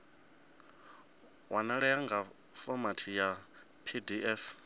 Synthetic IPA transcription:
wʔanaɺɛaŋɡa | fɔmatʰija | pʰidiɛf

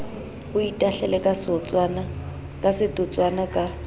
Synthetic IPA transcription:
bʊitʼaɬɛlɛkʼasɔt͡sʼana | kʼasɪtʼʊt͡sʼwanakʼa

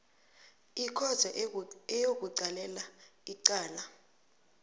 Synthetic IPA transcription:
ikʰɔzʰʱɛɛjok̬uǀalɛlaiǀaːla

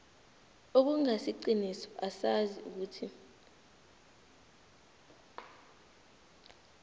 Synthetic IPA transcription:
ok̬uŋasiǃinisɔ̥ʔasaziuk̬uːtʰi

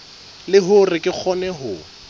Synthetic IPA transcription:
lɪɦʊrɪkʼɪk͡xʰɔnɛɦʊ

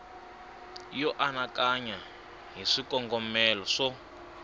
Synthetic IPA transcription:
jɔʔanakaɲa | ɦiʂikɔŋɡɔmɛlɔʂɔ

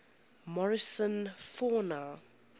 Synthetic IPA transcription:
mɔɹɪsə̃nfɔna

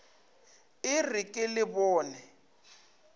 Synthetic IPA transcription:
ɪrɪkʼɪlɪbɔːnɛ

